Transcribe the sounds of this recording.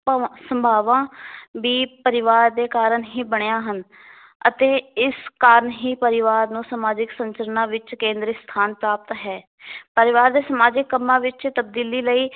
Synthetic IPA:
səmbʱaːʋãːʋiːpəɾɪʋaːɾd̪eːkaːɾənɦiːbəɳejãːɦən | ət̪eːɪskaːɾəɳɦiːpəɾɪʋaːɾnũːsəmaːd͡ʒɪksəɲt͡ʃəɾənãːʋɪt͡ʃkẽːnd̪ɾist̪ʰaːnpɾaːp̚t̪ɦɛː | pəɾɪʋaːɾd̪eːsəmaːd͡ʒɪkːəmːãːʋɪt͡ʃt̪əb̚d̪iːliːləiː

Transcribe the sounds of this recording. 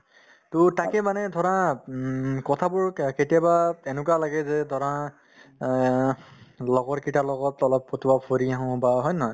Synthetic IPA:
tʊtakɛmanɛdʱɔɹã | kɔtʰabʊɹketiabaɛnʊk̬alaɡɛzɛdʱɔɹã | lɔɡɔɹkitalɔɡɔtɔlɔpːotuwapʰoɹiaɦɔ̃baɦɔjnɔɦɔj

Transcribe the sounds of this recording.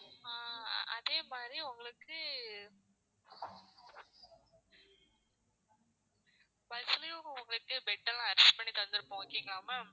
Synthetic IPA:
aːɐ̰ðeːmaːd̪ɾiʊŋɡɐɭɯkːɯ | bɐlsɪlɐjʊʊŋɡɐɭɯkːɯbɛʈːɐlɐɾɛsʈpɐɳːit̪ɐnd̪ɯɾpːoːkiːŋɡɐlaːmɐ

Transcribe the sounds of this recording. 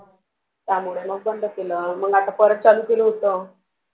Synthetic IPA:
t̪jam̤uɭeməɡ̚bənd̪ʱəkeləːməɡat̪apəɾət̪̚t͡saluːkeləɦot̪o

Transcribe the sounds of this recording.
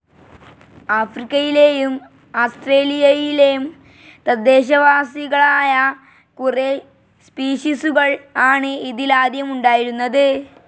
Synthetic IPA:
aːfrikʲːɐjilejum | aːsʈreːlijɐjilejum | t̪ɐd̪ːe̞ːɕ̬ɐʋaːsiɣɐɭaːjɐ | kure | spiːɕisuɣɐɭaːɳɨiðilaːd̪jɐmuɳɖaːjiɾunːɐðɨ

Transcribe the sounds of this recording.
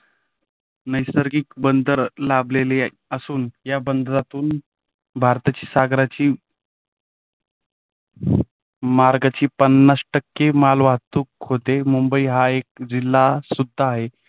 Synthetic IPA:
nəjsəɾɡiːkbənd̪ʱəɾlablele | əsuːnjabənd̪ɾat̪uːn | bʱaɾt̪at͡ɕiːsaɡɾat͡ɕiː | maɾɡat͡ɕiːpənːasʈəkːemalʋaɦt̪uːkɦot̪emumbəiːɦaek̚d͡ʑilːasud̪ʱːaːɦe

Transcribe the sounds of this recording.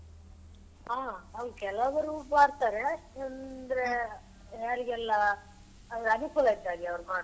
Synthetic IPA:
aːɐʋɾkɛlɐʋɐɾubaːɾt̪aːɾeɐnd̪ɐɾe | jaːɾiɡɛlːɐ | ɐʋɾɐnukulɐjt̪aːɡiɐʋɾumaːɾ

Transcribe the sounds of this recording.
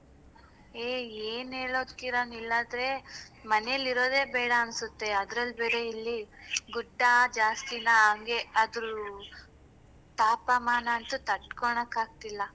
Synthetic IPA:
eːeːneːɭoːd̪kiɾoːnilːaːd̪ɾe̞mɐnejɐlːiɾo̞ːd̪e̞ːbeːɽɐɐnsut̪ːe̞ɐd̪ɾɐlbeːɾe̞ilːiɡuɖːad͡ʒaːst̪inaɐŋɡe̞ɐd̪ɾu | t̪aːpɐmaːnɐːnt̪ut̪ɐʈkoɳɐkaːɡ̚t̪ilːɐ

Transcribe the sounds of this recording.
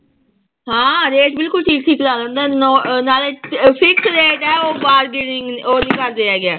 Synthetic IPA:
ɦãːɾeːʈbɪlkʊlʈʰiːk̚ʈʰiːklaːlə̃ːnd̪aɛːnonaːleːpʰɪksɾeːd̪aːɛoːbaːɾɡɪnŋoːniːkəɾd̪eːɛːɡɪaː

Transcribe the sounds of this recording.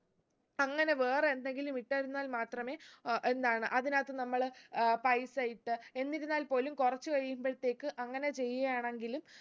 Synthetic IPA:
ɐŋːɐne̞ʋe̞ːre̞nd̪e̞ŋɡilumiʈːaːɾunːaːlmaːt̪rɐme̞ːʔe̞nd̪aːɳɨʔɐðinaːt̪ːɨnɐmːɐɭpɐjsaːjiʈːɨe̞nːiɾunːaːlpo̞ːlumkurɐt͡ɕːɨʋɐɻijumbɐɻt̪ːe̞ːkːɨʔɐŋːɐne̞t͡ɕe̞jːɐjaːɳe̞ŋɡilum

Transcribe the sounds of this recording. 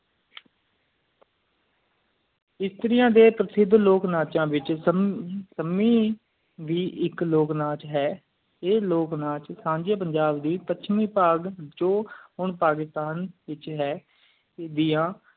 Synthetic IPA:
ɪst̪əɾɪjãːd̪eːpɾəsɪd̪ʱloːknaːt͡ʃãːʋɪt͡ʃ | səmiː | ʋiːʔɪkloːknaːt͡ʃɦɛː | eːloːknãːt͡ʃsãːɲd͡ʒeːpəɲd͡ʒaːbd̪iːpətːʃʰmĩːpaːɡd͡ʒõːɦʊɳpaːkɪst̪aːnʋɪt͡ʃɦɛː | d̪ɪːãː

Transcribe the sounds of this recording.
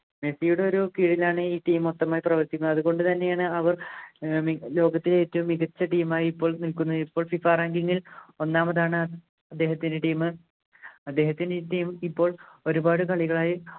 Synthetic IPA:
me̞sijuɽe̞o̞ɾukiːɽilaːɳɨiːʈiːmot̪ːɐmaːjiprɐʋɐrt̪ikʲːunːɐɐðuɣo̞ɳɖɨt̪ɐnːe̞jaːɳɨɐʋɐrmilo̞ːɡɐt̪ːiletːumːiɣɐt͡ɕːɐʈiːmaːjiipːo̞ːɭnilkunːɐðipːo̞ːɭfifaːraːŋɡiŋːilo̞nːaːmɐðaːɳɨ | ɐd̪ːe̞ːhɐt̪ːindeʈiːmɨ | ɐd̪ːe̞ːhɐt̪ːindeʈiːmipːo̞ːɭo̞ɾubaːɽɨkɐɭiɣɐɭaːji

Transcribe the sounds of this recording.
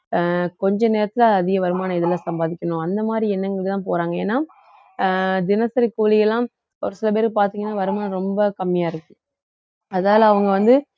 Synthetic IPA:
kɔɲd͡ʒɐ̃neːɾɐt̪ːɪlɐːðɪɣɐʋɐɾɯmaːnɐɪðɐlːãːsɐmbaːðɪkʲːɐnʊ̃ɐnd̪ɐmaːd̪ɾiɛnːɐŋɡɐɭɪkɯt̪ãːpoːɾaːŋɡɐḛːnːaː | d̪ɪnɐsɐɾɪkːuːlɪjɐlːãː | ɐʋɐɾɯ̃sɪlɐp̬eːɾɯp̬aːɾt̪iːŋɡɐnːaːʋɐɾɯmaːnɐɾɔmbɐkɐmːɪjaːɪɾɯkːɯ̥̃ | ɐðnaːlɐɐʋɐŋɡɐʋɐnd̪ɯ

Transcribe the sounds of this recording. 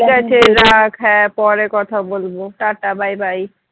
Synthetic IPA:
kat͡ʃʰeɾakʰɛpɔɾekɔt̪ʰabolboʈaʈabʱajbʱaj

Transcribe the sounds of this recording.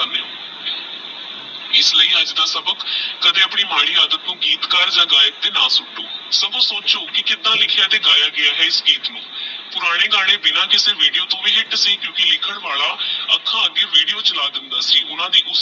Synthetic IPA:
əneõː | ɪsləiːəd͡ʒd̪aːsəbəkːəd̪ẽːəpɳiːmaːɽ̃iːjaːd̪ət̪nũːɡiːt̪kəɾd͡ʒãːɡaːjət̚t̪ːeːnaːsʊʈːoːsəbõːsoːt͡ʃoːkɪkɪt̪ãːlɪkʰjaːt̪eːɡaːjaːɡɪaːɦɛːɪsɡiːt̪nũːpʊɾaːɽ̃eːɡaːɽ̃eːbɪnãːkɪseːʋiːɖijoːt̪õːʋiːɦɪʈsiːkjõːkɪlɪkʰəɳʋaːlaːəkʰːãːəɡːeːʋiːɖijoːt͡ʃəlaːd̪ɪnd̪aːsiːʔʊnãːd̪iːʔʊs

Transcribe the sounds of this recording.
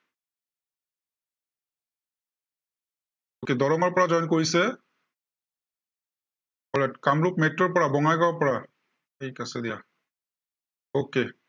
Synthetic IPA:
oked̪ɔɹɔŋɔɹpɔɹad͡ʒɔjnkoɹisɛ | ɔlɛtkamɹup̚metːɔɹpɔɹabɔŋajkawapɔɹa | ejkasɛd̪ija | oke

